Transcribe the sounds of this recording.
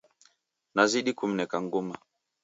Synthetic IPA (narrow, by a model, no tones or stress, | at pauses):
naziɗikum̩nɛkaŋɡuma